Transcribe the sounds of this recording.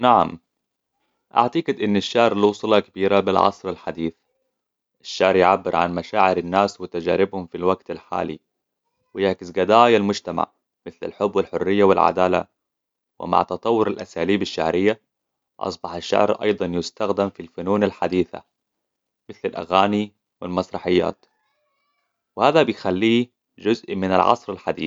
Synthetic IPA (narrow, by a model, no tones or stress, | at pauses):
naʕa̰m | ʔa̰ʕt̪ɑɡɪd̪ʔɪnːaʃːaʕɾlwsˤlɑkabiːɾabɪlʕɑ̰sˤɾalħad̪iːθ | ʔaʃːaʕɾjʕabːɪɾʕa̰nmaʃaːʕɪɾanːaːswɪt̪ad͡ʒaːɾɪbhʊmfilwaɡt̪alħa̰ːlḭ | wɪjaʕkɪsɡad̪aːjalmʊd͡ʒt̪ama̰ʕ | mɪθla̰lħʊbːwɪlħʊrːɪjːawɪ̰lʕa̰d̪aːla̰ | wɪ̰ma̰ʕt̪ɑt̪ˤɑwːʊɾalʔasaːliːbaʃːaʕɾɪjːa | ʔɑ̰sˤbɑħaʃːa̰ʕɾʔɑ̰jd̪ˤɑnjɪst̪axd̪ɪmfilfʊnuːnalħad̪iːθa̰ | mɪθlalʔa̰ɣaːni | wɪlmɑsˤɾˤɑħɪjːa̰ːt̪ | wɪhaːðabɪjxalːiː | d͡ʒʊzʔmɪnalʕɑ̰sˤɾalħad̪ḭː